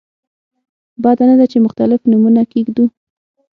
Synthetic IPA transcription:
bɑd̪anad̪at͡ʃemʊxt̪alɪfnumunakeɡd̪u

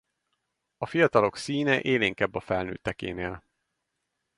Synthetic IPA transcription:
ɒfijɒt̪ɒlo̞ksiːnɛʔeːliŋkɛbːɒfɛlnø̰ːt̪ːɛkḛːneːl

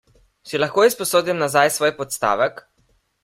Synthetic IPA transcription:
silaxkoːispɔsoːd̪imnazajsʋoːjpɔt̪st̪a̰ːʋɛk

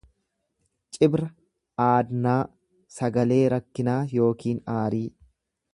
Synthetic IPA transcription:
t͡ʃʼɪbɾɐ | aːd̪naː | sɐɡɐle̞ːɾɐkːɪnaːjo̞ːkiːnaːɾiː

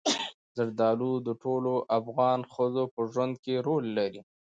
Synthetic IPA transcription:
zaɽd̪ɑlud̪əʈʰoloʔafɣɑnxəzopəʒwand̪keɾolːaɾi

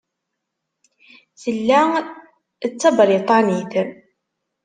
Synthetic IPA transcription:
θəlːæ | t͡sːɑbəɾit̪ˤɑniθən

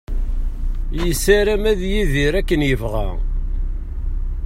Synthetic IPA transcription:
jəsæɾæmæðjiðiɾækːənjəvʁæ̰

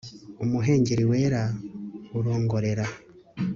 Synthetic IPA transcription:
umuɦe̞ːɲɟeɾiweːɾa | uɾo̞ːŋɡo̞ɾe̞ɾa

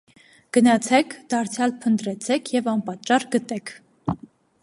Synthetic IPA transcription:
ɡ̥ənɑt͡sʰɛkʰd̪̥ɑɾt͡sʰjɑlpʰənt̪ɾɛt͡sʰɛkʰjɛvɑnpɑt̪t͡ʃɑrɡət̪ɛkʰ

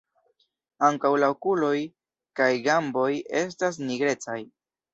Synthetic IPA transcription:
aŋkawlaokulo̞j | kajɡambo̞je̞s̬tas̬niɡɾe̞t͡saj

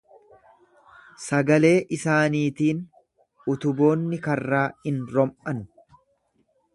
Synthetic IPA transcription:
sɐɡɐle̞ːʔɪsaːniːt̪iːn | ʊt̪ʊbo̞ːnːɪkɐrːaːɪnɾɔmʔɐn

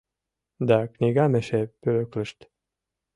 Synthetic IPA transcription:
d̪ɑkniɣɑmeʃepøløklə̆ʃt̪

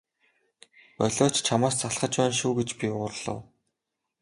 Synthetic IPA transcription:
pœɮʲɔːt͡ɕt͡ɕʰamaːst͡saɮχə̆t͡ɕpæːnʃuːɡet͡ɕpʲiʊrɮɞ̰̆w

